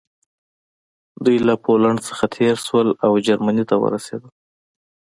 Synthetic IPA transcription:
d̪ujlapʰolaɳt͡sə̥xat̪ʰeɾʃwəlawd͡ʒaɾmanit̪awə̰ɾasḛd̪ə

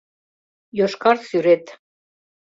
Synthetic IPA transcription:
joʃkɑɾsyɾet̪

